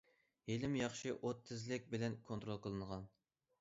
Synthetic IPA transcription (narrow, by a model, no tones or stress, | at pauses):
helɪmjɑχʃɨʔot̪ʰːɨzlɪk̚ʲbɪlɛnkʰont̪ɾolˠqʰəlˠɨnəʁɑn